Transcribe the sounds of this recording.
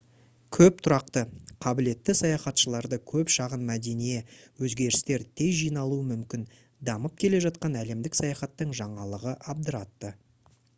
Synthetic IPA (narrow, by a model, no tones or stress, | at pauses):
kʲʰɵp̚t̪ʰʊɾɑqt̪əqʰɑbɪle̞t̪ːɪsɑjɑχɑt̪ʃəlˠɑɾd̪əkʲʰɵpʃɑʁənmæd̪e̞nijewɵzɡʲe̞ɾɪst̪e̞ɾt̪ʰe̞jʒijnɑlˠuəmʏmkʲɪn | d̪ɑməp̚kʲʰe̞le̞ʒɑt̪̚qɑnæle̞md̪ɪksɑjɑχɑt̪ːəɴʒɑɴɑlˠəʁəʔɑb̚d̪əɾɑt̪ːə